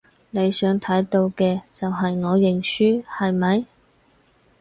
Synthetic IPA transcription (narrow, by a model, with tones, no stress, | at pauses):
ne˨˧jsœː˨˥ŋt̪ʰɐ˨˥jt̪o˧wkɛː˧t͡sɐ˨wɦɐ˨jŋɔː˨˧jɪ˨ŋsyː˥hɐ˨jmɐ˨˧j